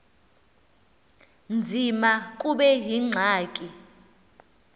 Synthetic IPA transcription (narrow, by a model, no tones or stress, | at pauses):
nd͡zʱimakʼuɓɛɦiŋ͡ǀʱaːkʼi